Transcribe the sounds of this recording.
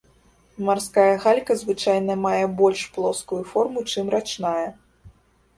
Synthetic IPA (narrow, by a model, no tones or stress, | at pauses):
marskajɐɣalʲkɐzvɨt͡ʂajnɐmajɛbɔlʲʂplˠɔskujufɔrmut͡ʂɨmrat͡ʂnajɐ